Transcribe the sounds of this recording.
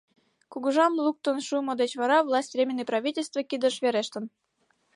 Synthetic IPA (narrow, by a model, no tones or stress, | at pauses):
kuɣuʒɑmlˠuk̚t̪ənʃumŏd̪et͡ɕvɑɾɑvlˠɑsʲtʲrʲemʲenːijprɑvʲitʲelʲst̪vəkid̪ə̆ʃβeɾeʃt̪ə̆n